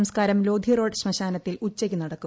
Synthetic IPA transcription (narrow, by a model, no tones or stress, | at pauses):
mskaːɾɐmlo̞ːd̪ʱiro̞ːɖɕmɐɕaːnɐt̪ːilut͡ɕːekʲːunɐɽɐkːu